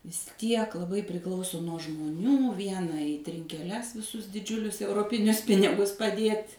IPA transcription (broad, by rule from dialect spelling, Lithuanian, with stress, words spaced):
ʋʲɪs ˈtʲiɛk lˠɐˈbɐɪ pʲrʲɪˈklˠɐʊsoː nuɔ ʒmoːˈnʲuː ˈʋʲiɛnɐ iː tʲrʲɪŋʲkʲɛˈlʲɛs ʋʲɪˈsʊs dʲɪˈd͡ʒʲʊlʲʊs ɛʊroːˈpʲɪnʲʊs ˈpʲɪnʲɪɡʊs pɐˈdʲiɛtʲ